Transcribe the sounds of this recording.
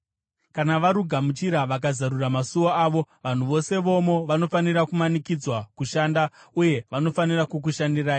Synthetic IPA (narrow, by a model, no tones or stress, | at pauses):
kanaʋaɾuɡʱamut͡ʃiɾaʋak̬azaɾuramasuoaːʋo̞ʋan̤uʋo̞se̞ʋo̞mo̞ʋano̞faniɾakumanikid͡zwakuʃaːndauje̞ʋano̞fanirakuk̬uʃandiraːj